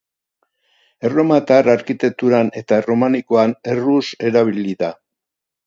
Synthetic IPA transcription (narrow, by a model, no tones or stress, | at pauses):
ero̞mat̪araɾkit̪e̞k̚t̪uɾane̞t̪aro̞maniko̞ane̞ruse̞ɾaβ̞iliða